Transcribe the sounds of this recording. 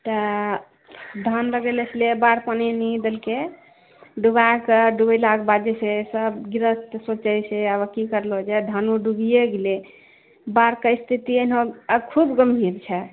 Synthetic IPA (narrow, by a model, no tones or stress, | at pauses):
t̪ə | d̪ʱanɾəɡelət͡ʃʰlebaɾpənenid̪elke | ɖuβakeɖubəlaɡbad͡ʒesesəbɡiɾəst̪sot͡ʃəjseaβəkikəɾlod͡ʒad̪ʱanuɖuɡijeɡele | baɾkəist̪ʰit̪ienõkʰubɡəmbʱiɾt͡ʃʰɛ